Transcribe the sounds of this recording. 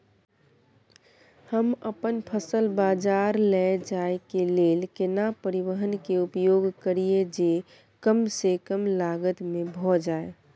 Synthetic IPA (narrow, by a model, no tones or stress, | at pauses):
həməpənpʰəsəlbaːd͡ʒaːɾlɛd͡ʒaekeleːlkɪnapəɾiwəɦənkeupjoɡkəɾied͡ʒe | kəmsekəmlaːɡət̪mẽbʱɔd͡ʒaːe